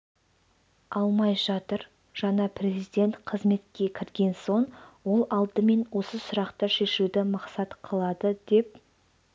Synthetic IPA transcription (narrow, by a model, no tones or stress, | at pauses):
ɑlˠmɑjʒɑt̪əɾ | ʒ̥ɑɴɑpʰre̞zijd̪e̞nt̪qʰəzme̞t̪kʲe̞kʲʰɪɾɡʲe̞nso̞ɴwo̞lˠɑlˠd̪əme̞nwo̞səsʊɾɑqt̪əʃe̞ʃud̪ɪmɑqsɑt̪qʰəlˠɑd̪əd̪e̞p̚